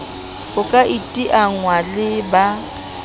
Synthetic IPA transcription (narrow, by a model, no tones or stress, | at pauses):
hʊkʼaʔitʼiʔaŋwalɪba